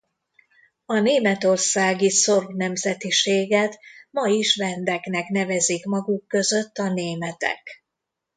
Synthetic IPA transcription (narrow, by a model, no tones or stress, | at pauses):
ɒneːmɛt̪o̞rsaːɡiso̞rvnɛmzɛt̪iʃeːɡɛt̪mɒiʃvɛnd̪ɛknɛknɛvɛzikmɒɡukːø̞zø̞t̪ːɒneːmɛt̪ɛ̰k